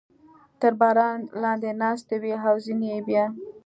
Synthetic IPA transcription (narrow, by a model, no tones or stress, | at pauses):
t̪əɾbɑɾɑnlɑnd̪enɑst̪awiɦawzinebjɑ